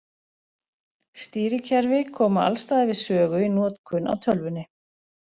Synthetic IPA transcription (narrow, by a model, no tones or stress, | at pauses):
st̪iːɾɪcʰɛɾvɪkʰɔːmaa̰lst̪aːðɪvɪðsœːɣʏinɔːt̪kʰʏnʔa̰wt̪ʰœlvʏnːɪ